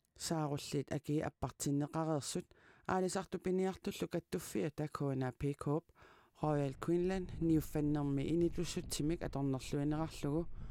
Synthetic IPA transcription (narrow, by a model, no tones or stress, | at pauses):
saːʁoɬːɪt̪a̰kiʔa̰pːɑqt͡ʃinːeqɑʁeʁsʊt̪̚a̰ːɾisɑqt̪ʊpiniɑqt̪ʊɬukat̪ːufːiat̪akʰoːnapʰikʰoːp̚ | χoːjalkʰwinlanːiufːanːeʁmiʔɪnit̪usʊt̪̚t͡ʃɪmika̰t̪oʁnːɑɬuineʁɑqɬʊɣʊ